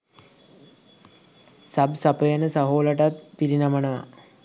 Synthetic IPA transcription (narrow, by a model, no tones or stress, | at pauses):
sabsapəjanəsaɦoːlaʈat̪̚piɾinamənəʋa̰